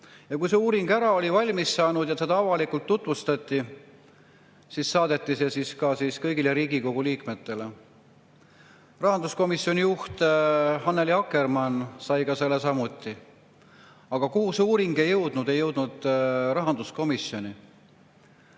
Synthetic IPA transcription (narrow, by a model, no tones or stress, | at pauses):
jɑkujse̞uːɾiŋɡ̥æɾɑo̞lʲivɑlʲmissɑːnud̪̥jɑse̞d̪̥ɑɑvɑlikult̪ːut̪ˑvust̪ɑt̪ˑːi | sissɑːd̪̥e̞t̪ːˑise̞siskɑsiskɤjɡile̞ɾiːɡiko̞ɡ̥uliːkme̞t̪ːe̞le̞ | rɑɦɑnd̪̥usko̞misːˑjo̞nijuht̪hɑnːeliɑkːe̞rmɑnsɑjkɑse̞lːesɑmut̪ːˑi | ɑɡ̥ɑkuhuseuːɾiŋɡ̥e̞jːɤwd̪̥nud̪̥e̞jːɤwd̪̥nud̪̥rɑɦɑnd̪usko̞misjo̞nʲi